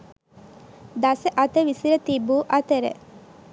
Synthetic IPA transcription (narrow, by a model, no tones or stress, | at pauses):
d̪asəʔat̪əʋisiɾət̪ibuːʔat̪əɾə̰